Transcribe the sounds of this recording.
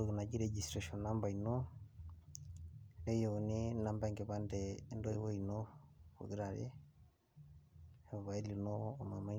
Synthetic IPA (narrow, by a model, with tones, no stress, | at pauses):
o˨ɣi˨na˨ɟi˦ɾeɟi˨sɾa˨ʃɔ˨na˦mba˨ino˦ | e˦jo˨ni˦na˨mbaŋɡe˨βa˦ndɛ˦ndo˦wo˦inoβo̰˨ɣi˦ɾa˨ɾḛ˦˨ | βa˨i˦li˨noː˦˨ma˨ma˦